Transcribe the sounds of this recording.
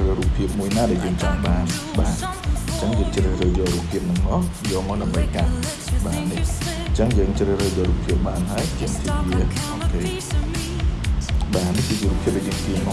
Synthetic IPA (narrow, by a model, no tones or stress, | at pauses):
əruːpʰiəp̚muəjnaːɗaɛljəːŋt͡ɕɑŋɓaːnɓaː | t͡ɕəŋjəːŋt͡ɕrəːhrəːjɔːɾuːpʰːiəp̚nɨŋmɔːjɔːmɔːɗamɓəjkan | ɓaːnihɲt͡ɕəŋjəːŋt͡ɕrəːrəːjɔːruːpʰːiəp̚ɓaːnɦaəjt͡ɕiəmt̪ʰiʋʋiəʔɔkʰeː | ɓaːnihkɨːət͡ɕiəruːpʰːiəp̚ɗɔːjəːŋkiːnŭ